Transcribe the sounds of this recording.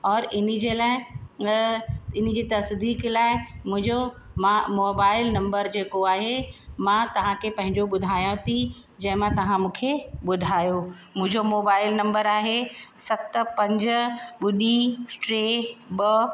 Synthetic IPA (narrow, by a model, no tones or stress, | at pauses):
ɔːɾɪnid͡ʑelaːɪ | ɪnĭd͡ʑiːt̪ɐsd̪iːklaːɪmʊ̃ɦɪ̃ɲd͡ʑoamoːbaːɪlnɐ̃mbəɾd͡ʑeːkoaːɦemãt̪ɐʋ̤ãkʰepɐ̃ɦɪ̃ɲd͡ʑoɓʊd̪ʱaːjõt̪ʰi | d͡ʑɐ̃ɦɪ̃mãt̪ɐʋ̤ãmũːkʰeɓʊd̪ʱaːjo | mʊ̃ɦɪ̃ɲd͡ʑomoːbaːɪlnɐ̃mbəɾaːɦesɐt̪pɐ̃ɲd͡ʑɓʊɗiʈɾeːbɐ